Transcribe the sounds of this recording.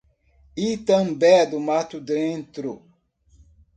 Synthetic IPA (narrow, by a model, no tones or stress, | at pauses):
it̪ɐ̃mbɛd̪ʊmat̪ud̪ẽnt̪ɾʊ